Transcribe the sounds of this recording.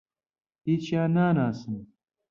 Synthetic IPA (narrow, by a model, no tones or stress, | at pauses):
it͡ɕaːnaːnaːsən